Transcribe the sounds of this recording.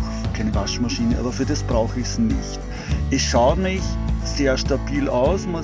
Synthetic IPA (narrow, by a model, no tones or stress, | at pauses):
kʰaɪnəvaʃmaʃiːnəʔa̰ːbɐfyːɐdasb̥ʁaʊxɪçsnɪçt | ʔɛsʃaʊtmɪçseːɐʃtabiːlaʊsma